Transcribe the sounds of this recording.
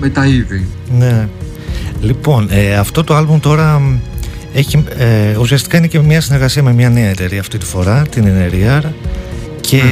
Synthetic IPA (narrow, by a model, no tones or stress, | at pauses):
met̪ɐiðine̞ | lipo̞neɐft̪o̞t̪o̞ɐlbumt̪o̞ɾɐ | eçieusiɐst̪i̥kɐine̞cemɲɐsine̞ɾɣɐsiɐme̞mɲɐneɐet̪e̞ɾiɐft̪it̪i̥fo̞ɾɐt̪ineneɾiɐɾ | cʰe̞